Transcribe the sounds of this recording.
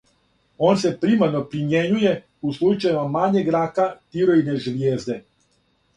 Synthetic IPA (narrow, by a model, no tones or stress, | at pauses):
o̞ːnse̞pɾimanopɾimjeɲuje̞ | uslˠut͡ʃajemamaɲeɡɾakat̪iɾoineʒʋjeːzd̪e̞